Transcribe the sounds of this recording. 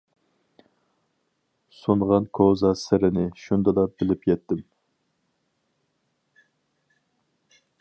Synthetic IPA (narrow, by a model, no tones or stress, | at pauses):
sonʁɑnkʰozɑsɪɾɪnɪʃund̪ɑd̪ɑbɪlɪpjɛt̪ːɪm